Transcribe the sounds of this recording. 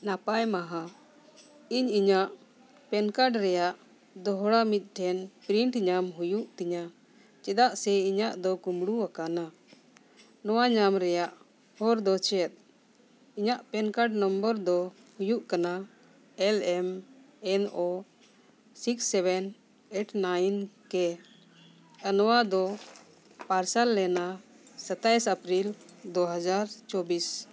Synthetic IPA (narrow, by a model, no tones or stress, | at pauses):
napajmaɦa | iɲiɲaʔ | pɛnkaɖɾɛjaʔ | d̪ɔɦɽamit̪̚ˀʈʰɛnpɾiɳʈɲamɦujuʔt̪iɲa | t͡ʃɛd̪aʔsɛiɲaʔd̪ɔkumɽuwakana | nɔwaɲamɾɛjaʔ | hɔɾd̪ɔt͡ʃɛt̪̚ˀ | iɲaʔpɛnkaʈnɔmbəɾd̪ɔ | hujuʔkana | ɛlɛm | ɛno | siksːɛbɛn | eʈnajnkɛ | anɔwad̪ɔ | paɾsalːɛna | sət̪ajsapɾild̪ɔɦad͡ʒaɾt͡ʃɔbis